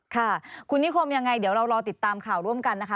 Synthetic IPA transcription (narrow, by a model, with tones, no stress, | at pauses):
kʰa˥˩kʰu˧nːi˦˥kʰo˧mja˧ŋːa˧jd̪i˩˦wɾa˧wɾɔː˧t̪i˨˩t̪ːaː˧mkʰaː˨˩wɾu˥˩əmka˧nːa˦˥kʰa˦˥